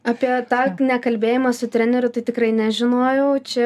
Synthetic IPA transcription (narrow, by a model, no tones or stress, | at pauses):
ɑːpʲiɛt̪ɑːnʲɛkɐlʲbʲeːjɪmɐsʊt̪ʲɾʲænʲɛɾʲʊt̪ɐɪt̪ʲɪkrɐɪnʲɛʒʲɪnoːjɛʊt͡ʃʲɛ